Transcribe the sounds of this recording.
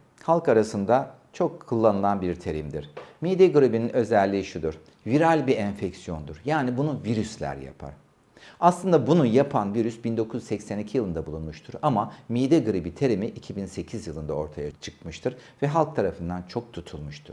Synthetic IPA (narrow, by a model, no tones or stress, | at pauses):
halˠkaɾasɯnd̪a | t͡ʃʰo̞kʰːulˠːanɯlˠanbiɾt̪ʰeɾimd̪iɾ̥mid̪eɡɯɾibininø̞zɛlʲːiʃud̪uɾ | viɾalʲbiɛnfɛcsijo̞nd̪uɾjaːnibunuviɾyslʲæ̰ɾja̰pʰa̰ɾ̥ | aslˠɯnd̪abunujapʰanviɾysbind̪o̞kʰuzsɛcsænicʰijɯlˠɯnd̪abulˠunmuʃt̪ʰuɾamamid̪eɡɯɾibit̪ʰeɾimiʔicʰibinse̞cʰizjɯlˠɯnd̪ao̞ɾt̪ʰajat͡ʃʰɯ̥k̚mɯʃt̪ʰɯɾvɛɦalˠk̚t̪ʰaɾafɯnd̪ant͡ʃʰo̞k̚t̪ʰut̪ʰulˠmuʃt̪ʰu̥